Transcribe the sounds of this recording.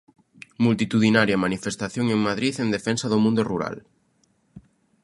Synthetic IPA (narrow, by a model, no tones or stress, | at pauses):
mult̪it̪uðinaɾjɐmanifest̪aθjoŋeŋmaðɾiθend̪efɛnsɐðomũnd̪ʊruɾa̰l